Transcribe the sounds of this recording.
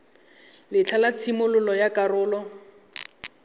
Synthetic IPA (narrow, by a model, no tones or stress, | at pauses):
lɪt͡ɬʰalat͡sʰimʊlʊlɔjakarʊːlɔ